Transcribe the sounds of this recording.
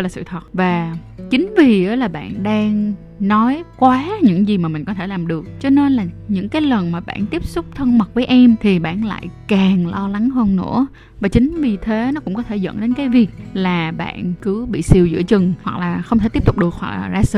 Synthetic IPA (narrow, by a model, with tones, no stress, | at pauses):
laː˨˩sɨ̰˧˨˩t̪ʰwə˨˩t̚vaː˨˩ | t͡ɕï˨˦ŋ̟vi˨˩ə˨˦laː˨˩ɓa̰ː˧˨nɗaː˧ŋ | nɔ˨˦jkwaː˨˦ɲɨ̰˧˥ŋzi˨˩maː˨˩mï˨˩ŋ̟kɔ˨˦t̪ʰe˧˩laː˨˩mɗɨ˨˩ək̚t͡ɕɔ˧ne˧nlaː˨˩ɲɨ̰˧˥ŋkaː˨˦jlə˨˩nmaː˨˩ɓa̰ː˧˨nt̪i˦˥əp̚sʊ˦˥k͡p̚t̪ʰə˧nmə˨˩t̚vəː˨˦jʔɛ˧mt̪ʰi˨˩ɓa̰ː˧˩nla̰ː˧˨jkaː˨˩ŋlɔ˧la˨˦ŋhəː˧nːɨ̰˧˥ə | vaː˨˩t͡ɕï˨˦ŋ̟vi˨˩t̪ʰe˨˦nɔ˨˦kʊ̰˧˥ŋ͡mkɔ˨˦t̪ʰe˧˩zə̰˧˥nɗe˨˦nkaː˨˦jvi˨˩ək̚laː˨˩ɓa̰ː˧˨nkɨ˨˦ɓḭ˧˨si˨˩əwzɨ̰˧˥ət͡ɕɨ˨˩ŋhwa˨˩k̚laː˨˩xə˧wŋ͡mt̪e˧˩t̪i˦˥p̚t̪u˨˩k͡p̚ɗɨ˨˩ək̚ha̰˨˩a˨˩zaː˧sɨ̰˧˨